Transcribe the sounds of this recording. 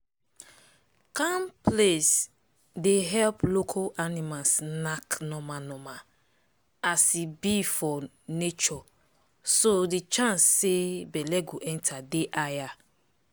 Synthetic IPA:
kamples | deɦɛlplokʰɔanimasnaknɔmanɔma | asibifɔ | net͡ʃɔ | sodit͡ʃãnsːebɛlɛɡoʔɛ̃ntʰadeʔaja

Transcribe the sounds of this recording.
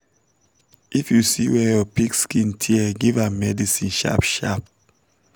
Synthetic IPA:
ifjusiwɛjɔpikskĩntʰiɛɡivamɛdisĩnʃa̰pʃa̰p̚

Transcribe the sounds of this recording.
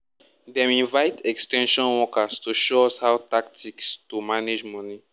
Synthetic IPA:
dɛ̃mĩnvaɪtɛkstɛ̃nʃɔ̃nwɔkastoʃoɔshawtak̚tʰikstumaned͡ʒmɔni

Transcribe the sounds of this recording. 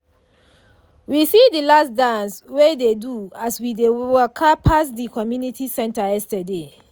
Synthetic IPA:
wisidilasdãnswededuaswidewɛkʰapʰasdikɔmjunitʰisɛ̃ntajɛstəde

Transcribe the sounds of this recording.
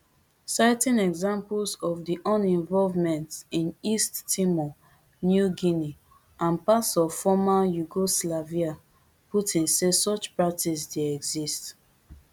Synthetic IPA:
saɪtĩnɛɡzãmplsɔvdiʔɔ̃nɛ̃ɱvɔlvmɛ̃ntĩnisttimɔ | njuɡini | ãnpasɔfɔmajuɡoslavia | putĩnsesɔt͡ʃpɹak̚tisdeɛɡzist

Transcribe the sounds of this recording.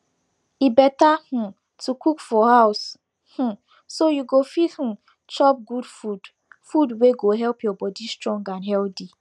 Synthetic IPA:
ibɛtah̩ | tʰukʰukfɔhaʊs | h̩ | sojuɡofithũ | t͡ʃɔp̚ɡudfud | fudweɡoɦɛlpjɔbɔdistɹɔ̃ŋɡãnɦɛldi

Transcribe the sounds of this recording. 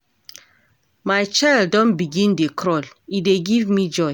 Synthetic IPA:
maɪt͡ʃaɪldɔ̃nbiɡĩndekʰɹɔlideɡivmid͡ʒɔɪ

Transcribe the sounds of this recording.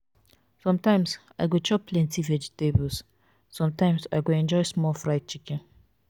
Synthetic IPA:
sɔ̃mtãɪ̃ms | aɪɡot͡ʃɔpʰlɛ̃ntivɛd͡ʒitebɔls | sɔ̃mtãɪ̃msa̰ɪɡoɛ̃nd͡ʒɔɪsmɔlfɹaɪt̚t͡ʃikɛ̃n

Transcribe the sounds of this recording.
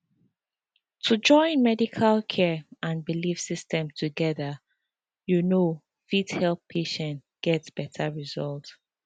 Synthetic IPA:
tʰud͡ʒɔ̃ɪ̃nmɛdikʰalkʰɛãnbilifsistʰɛ̃mtʰuɡɛðə | juno | fidhɛlppʰeʃɛ̃nt | ɡ̥ɛtsb̥ɛtʰəɹizɔlˠt

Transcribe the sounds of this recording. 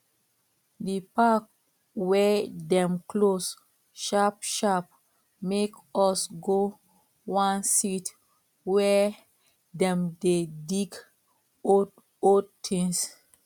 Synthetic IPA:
dipak̚ | wɛdɛ̃mkʰlos | ʃapʃap | mekɔsɡo | wãnsit | wɛ | dɛ̃mdediɡ | o | odtʰĩŋs

